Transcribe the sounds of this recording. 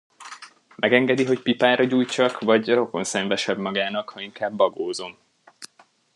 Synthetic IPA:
mʔɛɡɛŋɡɛd̪iɦo̞cpipaːɾʔɒɟuːjt͡ʃɒkʋɒɟro̞ko̞nsɛɱvɛʃɛbmɒɡaːnɒkhɒiŋkaːbːɒɡoːzo̞m

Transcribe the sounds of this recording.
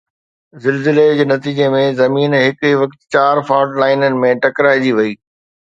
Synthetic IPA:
zɪlzɪled͡ʑeːnɐt̪iːd͡ʑemẽzɐmiːnɦɪkiʋɐkt̪t͡ɕaːɾfaːʈlaːɪnənɪ̆mẽʈɐkɾaːɪd͡ʑiʋɐiː

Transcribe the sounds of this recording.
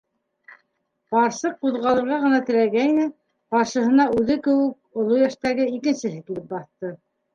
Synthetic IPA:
bɑɾsɤquðʁɑlˠɤ̆ɾʁɑʁɤ̆nɑt̪ɘ̆ɾæɡæinɘ | bɑɾʃɤ̆ɦɤ̆nɑʉðɘkɘ̆wɘk̚ŏlˠojæʃt̪æɡɘikɘ̆nsɘ̆ɦɘkilɘp̚bɑθt̪ɤ

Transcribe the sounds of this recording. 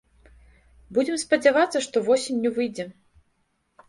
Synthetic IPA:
bud͡zʲɛmspɐd͡zʲavat̪sːɐʂt̪ɔvɔsʲinʲːɛvɨjd͡zʲɛ

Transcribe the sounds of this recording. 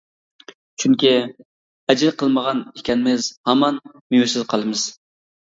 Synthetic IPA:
t͡ʃʰyŋkʲi | ɛd͡ʒlqʰəlˠməʁɑnikʲɛnɪmɪzhɑmɑn | mijusɪzqʰɑlˠɨmɨz̥

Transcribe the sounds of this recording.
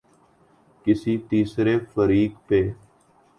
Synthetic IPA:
kɪsiːt̪iːsɾeːfəɾiːkpeː

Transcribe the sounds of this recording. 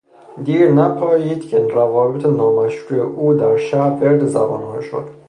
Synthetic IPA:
d̪iːɾnæpʰɒːjiːd̪cʰeɾævɒːbet̪ʰenɒːmæʃɾuːjeʔuːd̪æɾʃæbeɾd̪ezæ̰bɒ̰ːnhɒ̰ːʃo̰d̪̥

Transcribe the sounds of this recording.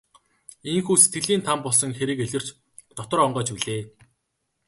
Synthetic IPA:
eŋxuːset̪̚ɡɘ̆ɮiːnt̪ʰampɔɮsɞ̆ŋxeɾɘ̆keɮʲɘ̆r̥t͡ɕ | t̪ɔt̪ɞ̆rɔɴɢœːt͡ɕpiɮeː

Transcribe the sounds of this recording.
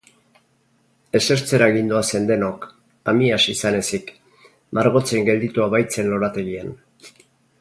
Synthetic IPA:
e̞se̞ɾt͡se̞ɾaɣind̪uase̞nd̪e̞no̞k | amiasisane̞sik | maɾɣo̞t͡seŋɡe̞ld̪it̪uaβajt͡se̞nlo̞ɾat̪e̞ɣien

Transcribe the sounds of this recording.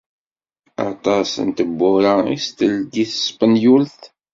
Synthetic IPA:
ɑ̰t̪ˤɑsənt̪əbːʊɾaḭst̪əlɡiθspənjulθ

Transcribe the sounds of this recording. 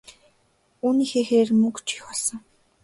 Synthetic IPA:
uːniːxeːxeːrmɵkt͡ɕʰi̥xpɔɮsɞ̆ŋ

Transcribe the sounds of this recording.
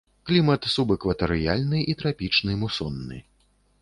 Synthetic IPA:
klʲimɐt̪subɨkvɐt̪ɛɾɨja̰lʲnɨʔit̪ɾapʲit͡ʂnɨmusɔnːɨ̰

